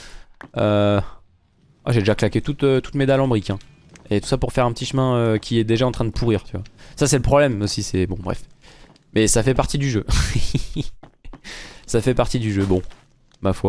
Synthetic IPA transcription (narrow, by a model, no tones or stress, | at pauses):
ø | a̰ʒed̪eʒaklakʲet̪ut̪øt̪u̥t̪med̪alɑ̃bʁikʲɛ̃ | et̪u̥sapuʁfɛʁɛ̃pət̪iʃmɛ̃økʲiɛd̪eʒaɑ̃t̪χɛ̃d̪əpʰuʁiːʁt̪yvwasasɛləpχɔblɛmosisɛbɔ̃bʁɛ̰f | mɛsafɛpaʁt̪id̪yʒø | safɛpaʁt̪id̪yʒøbɔ̃ | mafwa